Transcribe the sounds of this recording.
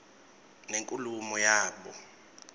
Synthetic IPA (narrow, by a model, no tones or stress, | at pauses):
neŋkʼulumɔjaːɓɔ